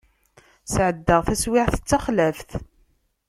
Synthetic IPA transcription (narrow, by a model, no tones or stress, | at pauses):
sʕəd̪ːəʁθæswɪʕθə̥t͡sːæχlæfθ